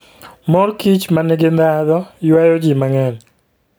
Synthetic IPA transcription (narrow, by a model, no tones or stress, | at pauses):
mɔɾkit͡ʃmanɪɡɪnd̪aðɔjwajod͡ʒimaŋɛn